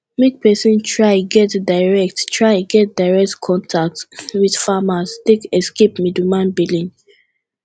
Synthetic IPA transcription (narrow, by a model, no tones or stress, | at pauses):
mik̚pɛsĩntʰɹaɪɡɛtdaɪɹɛk̚tɹaɪɡɛt̚daɪɹɛk̚tkʰɔ̃ntʰak̚twid̥famastekɛskepmidumãnbilĩn